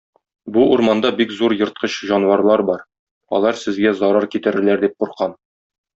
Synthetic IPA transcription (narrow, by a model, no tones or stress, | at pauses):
buuɾmɑnd̪ɑbikzuɾjɤ̆ɾt̪̚qʰɤɕʑɒnwɑɾlˠɑɾbɒɾ | ɒ̰lˠɑɾsɘ̆zɡæzɒɾɑɾkit̪ɘ̆ɾɘ̆læɾd̪ip̚quɾqɑn